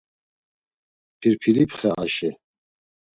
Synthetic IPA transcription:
pʰiɾpʰilipʰχɛʔa̰ʃɛ

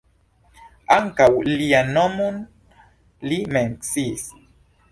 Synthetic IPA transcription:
aŋkawlianomun | limɛŋksis

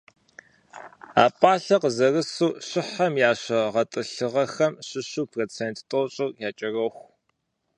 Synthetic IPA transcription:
a̰ːpʼaːɬɐqzɐrɨsuːɕɪħɐmjaːɕɐʁɐtʼɨɬɨʁɐxɐmɕɪɕuːpʰroːt͡sʰeːntʰtʼoːɕʼʊrjaːt͡ʃʼɐrɐxʷ

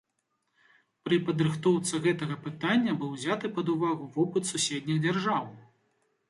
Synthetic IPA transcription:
pɾɨpɐd̪ɾɨxt̪ɔwt̪sɨɣɛt̪ɐɣɐpɨt̪anʲːɐbɨwzʲat̪ɨpɐd̪uvaɣuvɔpɨt̪susʲɛd̪ʲnʲiɣd͡zʲarʐaw

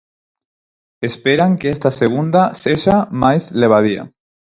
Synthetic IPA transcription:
espeɾaŋkeest̪aseɣ̞und̪aseʒamajzleβ̞að̞ia̰

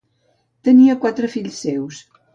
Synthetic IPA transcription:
t̪əniəkwat̪ɾəfiʎsːews

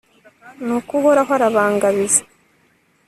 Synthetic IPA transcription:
nukuβoɾakaɾaβaːŋɡaβizḁ

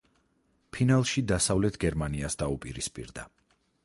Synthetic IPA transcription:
pʰinalˠʃid̪asavlɛt̪ʰɡɛɾmaniasd̪aupʼiɾispʼḭɾd̪a̰

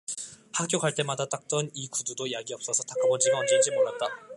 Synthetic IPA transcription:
hak͈joɡaɭt͈e̞madat͈ak̚t͈ʌnikududojaɡiʌp̚s͈ʌsʰʌtak͈ʰabʌd͡ʑiɡaʌnd͡ʑed͡ʑimoɾat̚t͈a

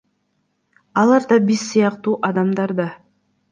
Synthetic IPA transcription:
ɑlˠɑɾd̪ɑbizsɯjɑqt̪uːʔɑd̪ɑmd̪ɑɾd̪ɑ

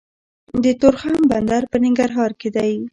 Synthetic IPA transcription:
d̪ət̪oɾxamband̪aɾpənɪŋɡaɾɦɑɾked̪aj

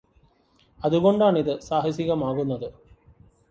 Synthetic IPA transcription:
ɐðuɣo̞ɳɖaːɳiðɨsaːɦɐsiɣɐmaːɣunːɐðɨ

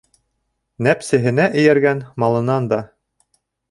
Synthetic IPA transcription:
næpsɘ̆ɦɘ̆næʔɘ̆jæɾɡænmɑlˠɤ̆nɑnd̪ɑ

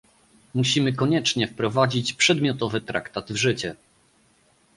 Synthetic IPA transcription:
muɕimɘkɔɲɛt͡ʂɲɛfpɾɔvad͡ʑit͡ɕpʂɛd̪mʲjɔt̪ɔvɘt̪ɾa̰kt̪ad̪vʐɘt͡ɕɛ

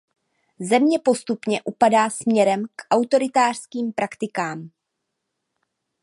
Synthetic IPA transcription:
zɛmɲɛpo̞st̪upɲɛʔupadaːsmɲɛɾɛmkʔawt̪o̞ɾɪt̪aːr̝̥skiːmpɾʔakt̪ɪkaːm

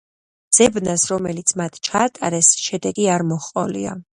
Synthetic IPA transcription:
z̥ɛbnasɾɔmɛlit̪sʰmat̪ʰt͡ʃʰaːt̪ʼaɾɛsʃɛd̪ɛɡiaɾmɔχqʼɔlḭa̰

